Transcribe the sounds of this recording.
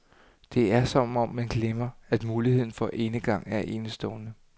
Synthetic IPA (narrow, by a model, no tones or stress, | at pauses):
d̥e̝æɐsɒ̽m̰ɒ̽mːænɡ̥lemɐæd̥muːlihe̝ð̞̰ˠn̩fɒ̽ʔe̝nəɡ̥ɑ̈ŋ̰æɐʔe̝ːnəsd̥ɔ̽ʊnə